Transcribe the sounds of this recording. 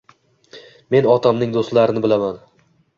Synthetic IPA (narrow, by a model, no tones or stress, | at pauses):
me̞nɒt̪ʰamnɪŋd̪ost̪laɾɪnɪbɪlaman